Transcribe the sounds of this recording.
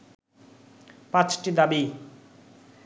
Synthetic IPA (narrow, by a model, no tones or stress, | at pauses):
pãt͡ɕʈid̪abi